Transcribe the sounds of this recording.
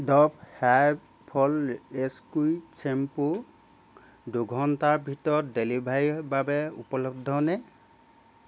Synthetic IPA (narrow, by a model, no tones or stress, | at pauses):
dɔp̚ha | pʰɔleskujt͡ʃʰempu | duɡʱɔntabʱitɔdelibʱajbabɛupɔlɔb̚d̪ʱɔnɛ